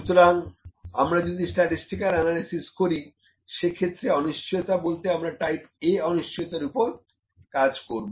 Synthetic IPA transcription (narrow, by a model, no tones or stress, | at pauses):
ʃut̪oɾaŋamɾad͡ʑod̪isʈaʈisʈikaɾɛnalisiskoɾi | ʃekʰet̪ːɾeɔniʃt͡ɕʰijot̪abolt̪eamɾaʈajpeɔniʃt͡ɕʰijot̪aɾupoɾ | kad͡ʑkoɾbo